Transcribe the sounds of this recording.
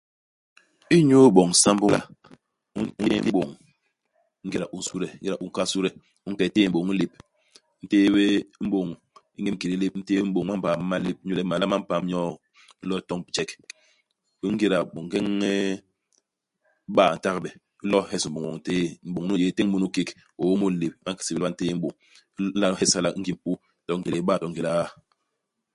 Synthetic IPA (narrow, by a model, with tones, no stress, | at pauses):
i˦ɲo˦ɓo˨ŋ˨˦sa˦m̩˦bu˦la̰˨˦ | i˦ɓo˨ŋ | ŋ̩˦ɡi˨ɾa˨ʔu˨su˦ɾe˨ŋ̩˦ɡi˦ɾa˨u˦ŋ̩˦ka˦su˦ɾɛ˨ | u˦ŋ̩˦kɛ˨te˦˨m̩˦bo˨ŋ̩˦li˦p̚ | n̩˦teː˦we˦m̩˦ɓo˨ŋ | ḭ˦ŋe˦m˦ki˨ɾi˦le˦p̚n̩˦teː˦e˦m̩˦ɓo˨ŋma˦m̩˦pa˨m˦ma˦li˦p̩̚˦ɲu˦le˨˦ma˨la˦ma˦m̩˦pa˨m˦ɲɔ˦˨˦ | lɔ˦tɔ˦ŋ˨t͡ʃɛ˦k | bi˦ŋ̩˦ɡi˦ɾa˨ɓo˨ŋ˨ɡe˦ŋːe˦ | ɓaː˦˨n̩˨ta˦kbɛ˨ | i˦lɔ˦hɛ˦sm̩˨o˨ŋ˨ɔ̰˨ŋ˨˦teː˦m̩˦bo˨ŋ˦nu˦je˦te˦ŋ̩˦mu˦nu˦ke˦k | o˨˦mu˦n̩˦li˨p̚ma˦ŋki̥˨si˨bi˦a˦n̩˦teː˦m̩˦bo˨ŋ̩˦ | a˦hɛ˦sa˦la˦ŋ̩˦ɡi˦m̩˦pu˦ | tɔ˦ŋ̩˦ɡi˨le˨˦baː˦˨tɔ˨ŋ̩˦ɡi˨la˨˦